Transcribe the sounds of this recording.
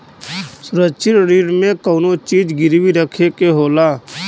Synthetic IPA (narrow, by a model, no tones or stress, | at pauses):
sʊɾəʃʰɪnɾiːɽmẽkɔːnot͡ʃiːd͡ʒɡɪɾwiɾəkʰekeɦoːlaː